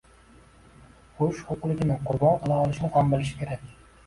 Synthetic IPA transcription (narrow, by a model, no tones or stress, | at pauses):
kɵʃhoqʊlˠɪɡʲɪnɪqʰʊɾbɒnqʰɨlˠaɒlˠɪʃnɪhambɪlɪʃɪ̥kʲʰe̞ɾakʲ